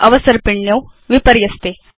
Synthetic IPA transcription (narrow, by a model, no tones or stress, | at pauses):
ɐʋəsəɾpɪɳjɐwʋɪpəɾjɐst̪eː